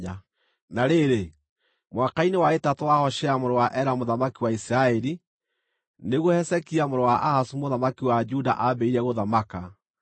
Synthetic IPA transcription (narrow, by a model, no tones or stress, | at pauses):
naɾeɾe | mwakainewaetatwahɔʃɛamoɾɔwaʔɛɾamoðamakiwaisiɾaɛɾi | neɣohɛsɛkiamoɾɔwaʔahasumoðamakiwad͡ʒuda̰ʔabɛiɾɛɣoðamaka